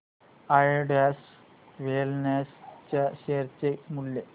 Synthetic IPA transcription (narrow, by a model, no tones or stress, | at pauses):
ajɖas | ʋelnest͡ɕaɕeɾt͡ɕemulje